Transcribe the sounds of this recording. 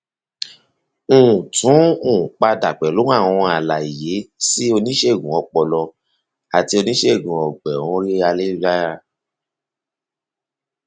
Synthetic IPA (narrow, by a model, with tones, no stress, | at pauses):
ũ˨tũ˨˦ũ˨k͡pa˧da˨k͡pɛ˨lõ˨˦a˦˨w̃ɔ̃˧a˨la˨i˨je˨˦si˦o˧nĩ˦ʃe˦˨ɡũ˨ɔ˧k͡pɔ˨lɔ˧ | a˨ti˧o˧nĩ˦ʃe˦˨ɡũ˨ɔ˨ɡ͡bɛ˨ɔ̃˦le˦a˧le˦d͡ʒa˦a˧